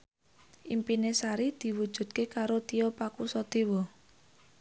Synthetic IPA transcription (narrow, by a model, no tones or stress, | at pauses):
ʔimpinesaɾid̪̥i̤wud̥ʒ̥ṳd̪̥̚kekaɾot̪iɔpakusɔd̪̥ewɔ